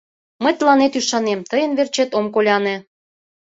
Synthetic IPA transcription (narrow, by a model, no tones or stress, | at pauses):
mə̆jt̪əlɑnet̪yʃɑnemt̪əjə̆nβert͡ɕet̪omkolʲɑnĕ